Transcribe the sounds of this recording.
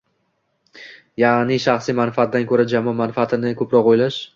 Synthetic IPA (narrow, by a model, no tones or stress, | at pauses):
jaʁnɪʃaχsijmanfaat̪̚d̪ankʰɵɾad͡ʒamɒmanfaat̪ʰɪnɪkʰɵpɾɒqojlaʃ